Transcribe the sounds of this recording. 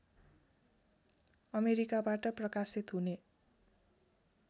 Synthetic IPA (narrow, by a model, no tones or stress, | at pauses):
ʌmeɾikabaʈʌprʌkasit̪ɦune